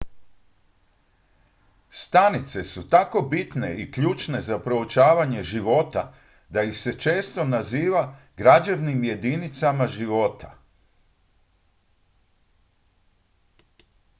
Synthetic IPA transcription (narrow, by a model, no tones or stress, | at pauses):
st̪anit̪se̞sut̪ako̞bit̪ne̞ikʎuːt͡ʃne̞zapɾo̞ot͡ʃaːʋaɲe̞ʒiʋo̞t̪a | d̪aixse̞t͡ʃe̞ːst̪o̞naziːʋa | ɡɾad͡ʒaʋnimje̞d̪init̪samaʒiʋo̞t̪ʰa